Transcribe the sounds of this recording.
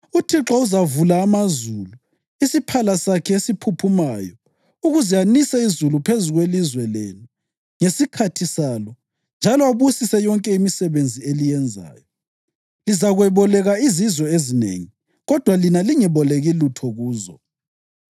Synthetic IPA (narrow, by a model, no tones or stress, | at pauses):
utʰiǁɔuzavulaːmazuːlu | isipʰalasakʰɛesipʰupʰumajɔ | uɣuzianisɛizulupʰezuɣwelizwɛlḛnu | ŋesikʰatʰisalɔ | nd͡ʒʱalɔaβusisɛjɔŋkʼɛimisɛβend͡zʱielijɛnd͡zʱa̰ːjɔ | lizaɣwɛβɔlɛɣaizizwɔezinḛŋi | ɣɔd̥ʱwalinaliŋɛβɔleɣilutʰɔɣuːzɔ̰